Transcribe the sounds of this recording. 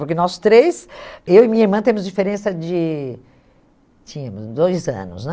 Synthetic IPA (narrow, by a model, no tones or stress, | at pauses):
pʊɾkenɔst̪ɾejsewɪmĩɲɐiɾmɐ̃t̪ẽmʊzd͡ʒifeɾẽsɐd͡ʒɪ | t͡ʃĩɲɐ̃mʊzd̪ojzɐ̰̃nʊ̰snɛ